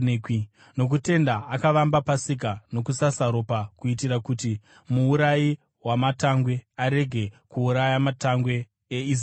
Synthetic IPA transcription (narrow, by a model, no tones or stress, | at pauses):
no̞k̬ute̞ndaakaʋambapasik̬ano̞kusasaɾo̞pakuitiɾakuti | muːɾaji | wamataŋɡwe̞aɾe̞ɡʱe̞kuːɾajamataŋɡwe̞ː | iz